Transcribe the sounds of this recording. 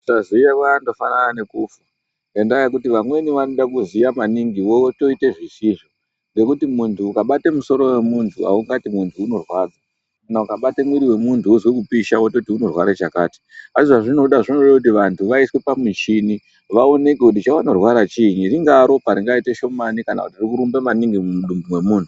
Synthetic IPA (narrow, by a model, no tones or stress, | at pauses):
sazijakando̞fanananekufu | ŋɡandaak̬utiʋamwe̞niʋano̞ɗakuzijamaniŋɡiʋoto̞ite̞ʐiʃiʐo | ŋɡe̞kutimuntuːkaɓatemuso̞ɾo̞we̞muntʰua̰uŋɡatimuntʰuːno̞rwaːd͡za | kanaukaɓatemwiɾiwe̞muntʰuuzwekupiʃawototiuno̞rwaɾat͡ʃaka̰ːti̥asiʐaʐino̞ɗaʐinorakut̬iʋantʰuʋaiswepamit͡ʃini | ʋaone̞kekut̬it͡ʃawanorwaɾat͡ʃiɲiriŋɡaːɾo̞paɾiŋɡaite̞ʃo̞manikana̰kutirikuɾumbemaniŋɡimumuɗumbumwe̞muːntʰu